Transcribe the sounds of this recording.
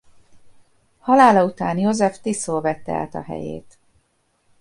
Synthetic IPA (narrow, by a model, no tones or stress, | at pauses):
hɒlaːlɒut̪aːnjozɛft̪isoːlvɛt̪ːɛa̰ːt̪ɒ̰ɦɛ̰jḛːt̪